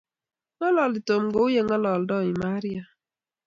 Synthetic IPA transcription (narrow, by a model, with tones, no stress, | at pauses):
ŋɔ˦lɔ˨lɪ˨to˨mɡo˦ʊ˦je˦ŋɔ˦lɔ˨ldɔ˦˨ɪ˨ma˦ɾja˨